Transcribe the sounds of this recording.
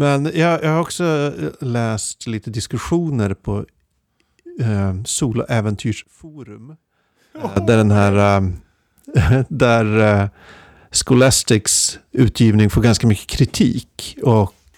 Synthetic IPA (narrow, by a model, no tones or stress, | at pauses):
mɛnjɑːjʔɑːɡhaɾɔksɔlɛːst̪liːt̪əd̪ɪskɵɧuːnəɾpʰɔ | suːlʊ̰ʔɛvɛnt̪ʰyːʂfuːɾɵm | d̪æɖɛnɦæːɾ | d̪æɾ | skʊlast̪ɪksʉ̟ːt̪ʰjiːvnɪŋfoːɾɡanskamʏkːə̥kʰɾɪt̪ʰḭːkɔk